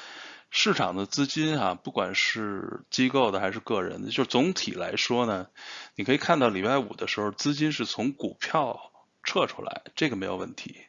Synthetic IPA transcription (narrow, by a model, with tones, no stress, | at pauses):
ʂɻ̩˥˩ʈ͡ʂʰɑ˨˩ŋd̪ə˦t͡sɹ̩˥t͡ɕi˥nxa˨pu˥˩kwa̰˨˩nʂɻ̩˥˩t͡ɕi˥ko˥˩ʊd̪ə˩xa˧˥ɪʂɻ̩˥˧kɤ˥˩ɻə̰˧˥nd̪ə˧t͡ɕo˥˧ʊʂɻ̩˥˧˩t͡sʊ˧˥ŋt̪ʰḭ˨˩la̰˧˥ɪʂwɔ˥nə˨ni˨˩kʰɤ˧˥i˨˩kʰa˥˧nt̪ɑ˥˩ʊli˨˩pa˥˩ɪṵ˨˩d̪ə˦ʂɻ̩˧˥xo˥˧ʊt͡sɹ̩˥t͡ɕi˥nʂ̬ɻ̩˥˩t͡sʰʊ˧˥ŋkṵ˨˩pʰjɑ˥˧ʊ | ʈ͡ʂʰɤ˥˩ʈ͡ʂʰṵ˥la̰˧˥ɪʈ͡ʂɤ˥˩ɡə˩me˧˥ɪjo˨˩ʊwə˥˩nt̪ʰḭ˧˥